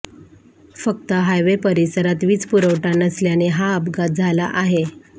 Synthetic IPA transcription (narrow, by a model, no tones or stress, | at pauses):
fək̚t̪əɦajʋepəɾisəɾat̪ʋiːt͡spuɾəʋʈanəsljaneɦaəbɡat̪̚d͡zʱalaʔaɦe